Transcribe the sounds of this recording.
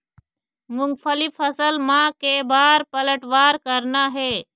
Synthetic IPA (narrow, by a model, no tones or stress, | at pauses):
mʊ̃ŋɡfəlɪfʰəsəlmãkebaːɾpələʈʋaːɾkəɾnaɦeː